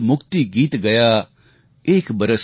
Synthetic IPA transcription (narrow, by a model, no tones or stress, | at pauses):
mʊkt̪iɡiːt̪ɡɐja | eːkbɐɾəs